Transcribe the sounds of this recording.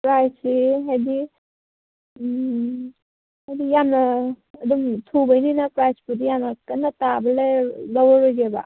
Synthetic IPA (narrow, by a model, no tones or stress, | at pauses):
pɾajsiɦajdi | hajdijamnːɐːdumtʰubajninɐpɾajspudijanɐkɐnːatabɐlelawaɾoɡeba̰